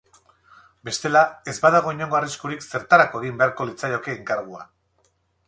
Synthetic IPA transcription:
be̞st̪e̞lae̞zbað̞aɣ̞o̞iɲo̞ŋɡo̞ariskuɾikse̞ɾt̪aɾakoeɣimbe̞aɾko̞lit͡sajo̞ke̞ːŋkaɾɣ̞ua̰

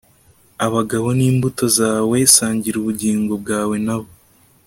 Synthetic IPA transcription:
aβaɡaβo̞niːmbuto̞zaːwe̞saːɲɟiɾuβuɟiːŋɡo̞b̚ɡaːwe̞naβo

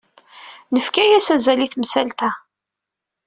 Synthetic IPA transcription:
nəfkæjæsæzæliθmsælt̪æ

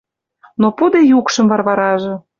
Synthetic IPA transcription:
nopud̪ejukʃɤ̆mvɑrβɑɾɑʒĕ

